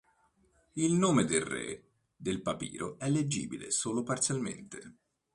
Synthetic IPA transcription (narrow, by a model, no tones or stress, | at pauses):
ilnoːmed̪elrḛ | d̪elpapḭːɾʔo̰ɛlːed͡ʒḭːbilḛsoːlopart̪sjalmḛnt̪e